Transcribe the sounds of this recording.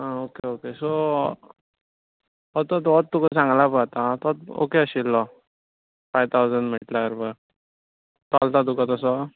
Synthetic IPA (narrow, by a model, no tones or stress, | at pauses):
ɦaokeokeso | ɔt̪ɔt̪ɔt̪̚t̪ːukəsãŋɡlapəat̪at̪ɔt̪̚o̰keəɕilːɔ | fajt̪ʰawd͡zəɳɖm̤əʈlakəɾbəɾ | t̪alt̪ad̪ukat̪ɔsɔ